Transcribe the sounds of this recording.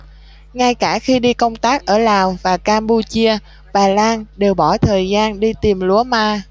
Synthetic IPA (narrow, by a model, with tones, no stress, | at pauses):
ŋa˧jkaː˧˩xi˧ɗi˧kə˧wŋ͡mt̪aː˦˥k̚ʔəː˧˩laː˨˩wvaː˨˩kaː˧mɓu˧t͡ɕi˧ə | ɓaː˨˩laː˧nɗe˨˩wɓɔ˧˩t̪ʰəː˨˩jzaː˧nɗi˧t̪i˨˩mlu˧˥˦əmaː˧